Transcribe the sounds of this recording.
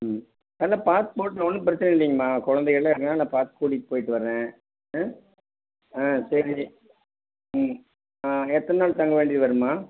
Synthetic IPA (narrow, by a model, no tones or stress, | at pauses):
ɐlɐpaːt̪ɯ̥poːʈːɐ̃ɔnːɯpɪɾɐt͡ʃːɪnɐɪɳɖiːŋɡɐmaːkɔɻɐnd̪ɛɪɣɐɭːaɪɾɯkːɐnaːlːãːpaːt̪ɯ̥kuːɽipoːjɪʈːɯʋɐɾɾẽː | aːsɐɾi | ɛt̪ːɐnnaːɭt̪ɐŋɡɐʋeːɳɖiːðɯʋɐɾɯmaː